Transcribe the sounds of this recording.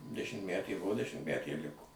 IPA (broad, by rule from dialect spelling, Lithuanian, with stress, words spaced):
dʲɛʃʲɪmʲtʲˈmʲætʲeː ˈbʊʋoː dʲɛʃʲɪmʲtʲˈmʲætʲeː ɪr ˈlʲɪkoː